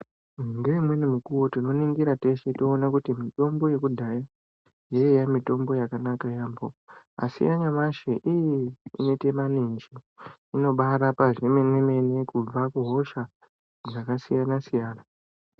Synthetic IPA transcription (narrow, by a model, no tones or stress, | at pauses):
ŋɡemwe̞nemikuwo̞tino̞niŋɡiɾate̞ʃe̞toːnakutimito̞mbo̞je̞kudʱaja | jeejamito̞mbo̞jakanakajaːmbo̞a̰sḭjaɲamaʃeʔijiḭne̞te̞manind͡ʒiino̞ɓaɾapaʐeme̞mweme̞ne̞kub͡vakuɦo̞ʃa | ʐakasijanasijaːna